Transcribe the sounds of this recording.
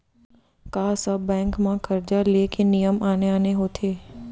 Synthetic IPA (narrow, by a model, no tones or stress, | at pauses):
kaːsəbːɛ̃ːŋkmãkʰəɾd͡ʒalekenijəmaːneaːneɦoːt̪ʰeː